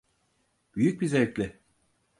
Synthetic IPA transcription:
b̥yjyc̚bizɛlʲclʲɪ

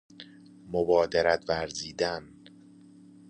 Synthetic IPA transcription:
mobɒːd̪eɾæt̪ʰvæɾziːd̪æn

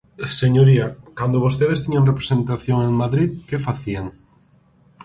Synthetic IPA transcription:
seɲoɾiakand̪oβost̪eðest̪iɲaŋrepɾe̥sẽnt̪aθjoŋeŋmaðɾiðkefaθiaŋ

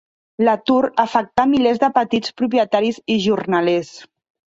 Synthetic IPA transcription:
lat̪uɾəfək̚t̪amilezd̪əpət̪it͡spɾup̬jət̪aɾiziʒurnales

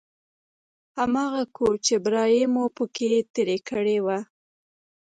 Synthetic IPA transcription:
hamɑɣakʰoɾt͡ʃebɾɑjemopəkʰet̪eɾekəɽewa

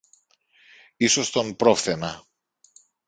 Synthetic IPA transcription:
iso̞st̪o̞npɾofθe̞nɐ

